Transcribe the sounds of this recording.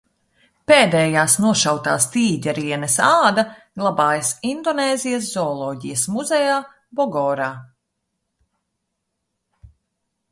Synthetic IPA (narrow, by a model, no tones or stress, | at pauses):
peːd̪ɛːjaːsnuɔʃawt̪a̰ːst̪iːɟɛɾiɛnɛsɑːd̪ɐɡlˠabaːjɐsind̪ɔneːzijɐs̬zɔːlˠɔːɟijɐsmuzɛjaː | bɔɡɔːɾaː